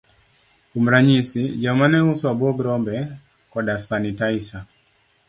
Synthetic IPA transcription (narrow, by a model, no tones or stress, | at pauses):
umɾaɲisid͡ʒamanɛuswabɔɡɾɔmbɛ | kɔdasanitaisa